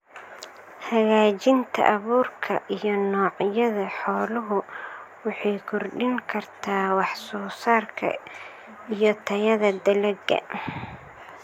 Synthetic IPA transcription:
hɐɣaːt͡ʃɪnt̪ʰɐ̰ʔɐβuːrkʰɐʔijɔnɔːʕjɐðɐħɔːlʊɦʊwɑħɑjkʰʊrɖɪŋkʰɐrt̪ʰaːwɑħsɔːsaːrkʰɐ̰ | ijɔt̪ʰɐjɐðɐd̪ɐlɐɡːɐ̰

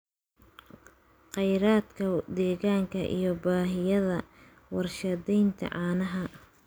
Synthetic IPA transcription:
qɛjɾaːd̪kʰɐd̪ɛːɣaːŋkʰɐ̰ʔḭjɞbaːɦɪjɐðɐ | wɑrʃɐd̪ɛjnt̪ʰɐ̰ʕɑːnɐɦɐ

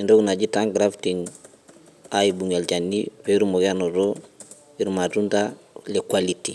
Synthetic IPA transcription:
indoɡunad͡ʒitaŋɡɾaftiŋ | ajibuŋalt͡ʃanːifeɾumoɡanoɾo | iɾmatuntalekwaliti

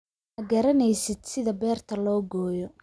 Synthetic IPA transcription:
ɐɡɐɾɐnɛjsɪd̪̥sɪðɐbɛːrt̪ʰɐlɔːɡɔːjɔ

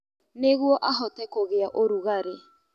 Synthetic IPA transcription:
neɣwɔʔaɦɔtɛkoɣeaʔoɾuɣaɾe

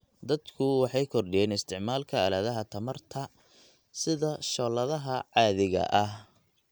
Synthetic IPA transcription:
d̪ɐd̪kʰʊwɑħɑjkʰɔrɖɪjɛːnɪst̪ʰɪʕmaːlkʰɐːlaːðɐɦɐt̪ʰɐmɐrt̪ʰɐ | sɪðɐʃɔːlɐðɐɦɐʕɑːðɪɣɐ̰ʔɐh

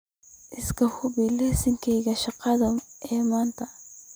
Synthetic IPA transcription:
ʔɪskʰɐhʊbilɛːsɪŋkʰɛjɣɐʃɑqɑðɐɛːmaːnt̪ʰɐ

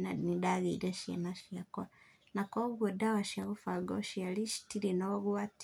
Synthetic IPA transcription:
nanidaɣḭɾeʃḛnaʃiako | nakoβuodawaʃjaɣufaɡo̰ʃialiʃi̥tiɾinoɣuat

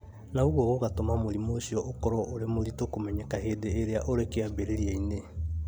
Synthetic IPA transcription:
naoɣwɔɣoɣatomamoɾimoɕiɔokɔɾɔʔoɾemoɾitokomɛɲɛkahedeːɾeaʔoɾekeabeɾeɾiaine

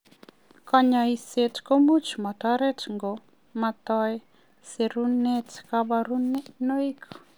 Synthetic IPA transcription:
kaɲaisetkomut͡ʃmataɾɛtŋɡo | mat̪ɔj | seɾunɛtkabaɾunenoikʰ

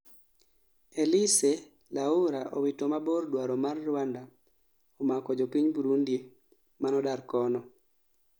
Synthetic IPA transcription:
elise | lauɾaʔɔwitomabɔrdwaɾɔmarːwanda | ɔmakɔd͡ʒopiɲbuɾundi | manɔdaɾkɔnɔ

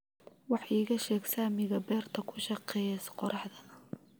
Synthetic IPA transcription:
wɑħiːɣɐʃɛːɡsaːmɪɣɐbɛːrt̪ʰɐkʰʊʃɑqɛjɛsqɔɾʔɑħðɐðɐ

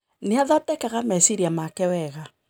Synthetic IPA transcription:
neaðɔtɛkaɣamaisiɾiamakɛwɛɣa

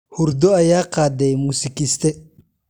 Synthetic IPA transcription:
hʊɾd̪ɔɐjaːqɑːd̪ɛjmusɪkɪst̪ʰɛ

